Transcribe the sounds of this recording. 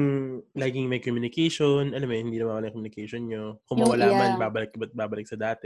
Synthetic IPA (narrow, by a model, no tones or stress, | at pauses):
ŋlajkɪŋmɐjkomjʊnɪkɛjʃonʔɐlamːohɪnd̪iːnɐmanwɐlaŋkomjʊnɪkɛjʃonɲokʊmɐwɐlaːɐmanbaːbɐlɪk̚bɐt̪̚baːbɐlɪk̚sɐd̪aːt̪ɛ